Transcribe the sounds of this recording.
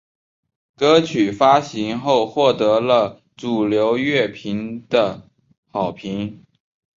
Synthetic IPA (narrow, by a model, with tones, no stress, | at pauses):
kɤ˥t͡ɕʰy˨˩fa˥ɕi˧˥ŋxo˥˧ʊxwɔ˥˩t̪ɤ˧˥lə˧ | t͡su˨˩ljo˧˥ʊɥɛ˥˩pʰi˧˥ŋd̪̥ə˧ | xɑ˨˩ʊpʰi˧˥ŋ